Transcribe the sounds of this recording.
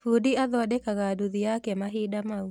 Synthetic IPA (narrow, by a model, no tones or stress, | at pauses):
fudiaðɔdɛkaɣaduðijakɛmaɦiɗamau